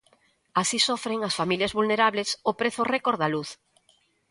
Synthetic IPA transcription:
asisɔfɾeŋɐsfamiljɐzβulneɾaβlesopɾeθʊrekoɾðaluθ

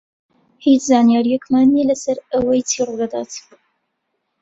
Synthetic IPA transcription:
hiːt͡ʃzaːnijaːɾijɛkmaːnːelɐsɐɾəwɐjt̪ʰiːrud̪ɐd̪a̰ːt̪

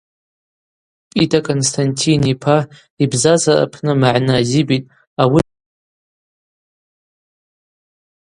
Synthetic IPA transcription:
pʼitʰʼakʼonstʰantʰinipʰa | ibzazara̰pʰnɨmaʕnɨazibitʼ | awi

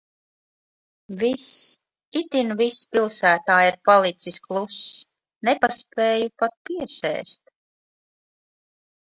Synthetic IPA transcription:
vis | it̪invispʲilˠsæːt̪aːjiɾpalˠit̪sisklˠus | nepaspeːjupat̪̚piɛsɛ̰ːst̪

